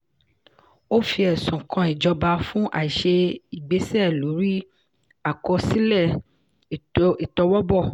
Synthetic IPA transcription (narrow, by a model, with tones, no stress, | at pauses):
o˦fi˧˦ɛ˨sũ˨kʰã˧i˨d͡ʒɔ˧ba˧fũ˦ʔa̰˨i˨ʃe˧i˨ɡ͡be˨˦sɛ˦˨lo˨˦ɾi˦ | a˨kɔ˧si˦lɛ˦˨ | i˨tɔ˧wɔ˦bɔ˦˨